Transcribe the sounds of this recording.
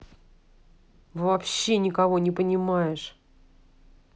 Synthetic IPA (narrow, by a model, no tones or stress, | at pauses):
vɐpɕːe̞nʲɪkɐvo̞nʲɪpənʲɪmajɪʂ